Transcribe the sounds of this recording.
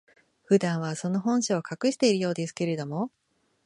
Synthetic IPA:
ɸɯ̟d̪ãɰ̃β̞aso̞no̞ɦõ̞ɰ̃ɕiokakɯ̟ɕi̥t̪e̞iɾɯ̟jo̞ːd̪e̞sɨ̥ke̞ɾe̞d̪o̞mo̞

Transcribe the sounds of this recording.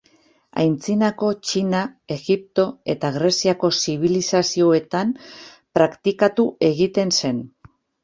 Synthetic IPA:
a̰jnt͡sinako̞t͡ʃinae̞ɣip̚t̪o̞e̞t̪aɣɾe̞siako̞siβ̞ilisasio̞e̞t̪am | pɾakt̪ikat̪uʔe̞ɣit̪e̞nse̞n

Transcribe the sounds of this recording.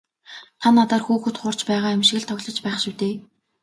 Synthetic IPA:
t̪ʰanːat̪aːrxuːxɘ̆t̪χʊr̥t͡ɕpæːʁaːemʃɪ̆ɣɘ̆ɮt̪ʰɔɣɮɞ̆t͡ɕpæːχʃuwt̪eː

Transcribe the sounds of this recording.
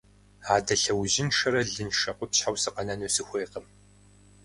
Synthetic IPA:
aːdɐɬɐwʑɪnʂɐɾɐɮɨnʃɐqʷʊpɕħawsɨqɐnɐnoːsɨxʷeːqəm

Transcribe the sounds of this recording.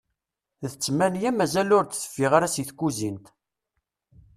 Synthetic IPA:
ðət͡sːmænjæmæzælʊɾt͡sθə̥fːiʁaɾæsiθkːuzint̪

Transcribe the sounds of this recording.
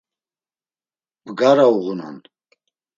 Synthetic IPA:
b̥ɡaɾauʁunɔ̰n

